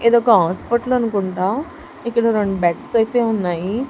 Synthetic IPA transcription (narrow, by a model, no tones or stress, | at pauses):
ed̪okɐɦãspɐʈluɐnukuɳʈa | ikːɐɽɐɾoɳɖbeʈsɐjt̪eunːaji